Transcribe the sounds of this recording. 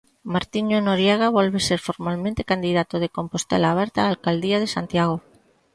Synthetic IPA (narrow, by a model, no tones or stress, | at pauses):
maɾt̪iɲonoɾjaɣaβolβe̞seɾfoɾmalmẽnt̪ekand̪iðat̪oð̞eko̞mpost̪ḛlaːβ̞eɾt̪aːlkald̪iað̞esant̪jaɣ̞o